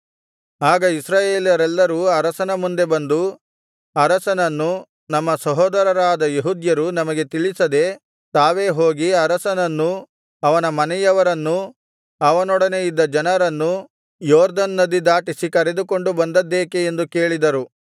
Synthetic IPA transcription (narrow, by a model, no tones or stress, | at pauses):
aːɡɐisɾaːje̞ːljɐɾɛlːɐɾuːɐɾɐsɐnɐmund̪e̞bɐnd̪u | ɐɾɐsɐnɐnːu | nɐmːɐsɐɦɔːd̪ɐɾɐɾaːd̪ɐjeɦud̪jɐɾunɐmɐɡe̞t̪iɭisɐd̪e̞ | t̪aːʋeːɦo̞ːɡiɐɾɐsɐnɐnːu | ɐʋɐnɐmɐnɛjɐʋɐɾɐnːu | ɐʋɐnɔɽɐnejid̪ːɐd͡ʒɐnɐɾɐnːu | jɔːɾd̪ɐnːɐd̪id̪aːʈisikɐɾe̞d̪uko̞ɳɖubɐnd̪ɐd̪ːeːkeːnd̪uke̞ːɭid̪ɐɾu